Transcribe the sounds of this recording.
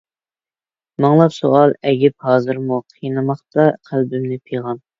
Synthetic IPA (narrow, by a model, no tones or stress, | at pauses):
mɑŋlˠɑpsuɑlˠɛɡʲɪp̚hɑːzɨɾmuqʰijnɨmɑχt̪ɑqʰælbymnɪpʰijʁɑn